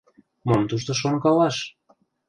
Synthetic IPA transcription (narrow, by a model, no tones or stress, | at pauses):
momt̪uʃt̪ŏʃ̬oŋkɑlɑʃ